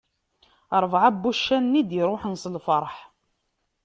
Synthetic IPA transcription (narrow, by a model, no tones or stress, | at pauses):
ɾˤvʕabːuʃːænːid̪iɾˤoħənsəlfəɾˤħ